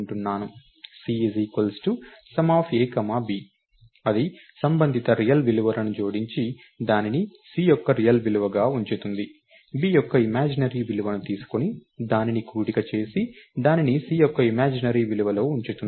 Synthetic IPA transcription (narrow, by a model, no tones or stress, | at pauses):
ɳʈunːaːnu | siːeziːkɐlsʈusɐmaːpʰieːkɐmaːbiː | ɐd̪isɐmbɐnd̪ʱit̪ɐɾijɐlʋiluʋɐlɐnut͡ʃoːɽiɲt͡ʃi | d̪aːninisiːjɔkːɐɾijɐlʋiluʋɐɡaːuɲt͡ʃut̪und̪i | biːjɔkːɐimaːd͡ʒinɐɾiːʋiluʋɐnut̪iːsu̥konid̪aːninikuːɽikɐt͡ʃe̞ːsid̪aːninisiːjɔkːɐimaːd͡ʒinɐɾiːʋiluʋɐlo̞ːuɲt͡ʃut̪und̪